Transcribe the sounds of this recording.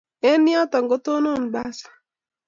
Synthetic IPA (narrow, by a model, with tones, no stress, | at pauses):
ɛ˦nːɪ˦ɔ˦t̪ɔ˨ŋɡo˦t̪o˦no˦˨nba˦sḁ˨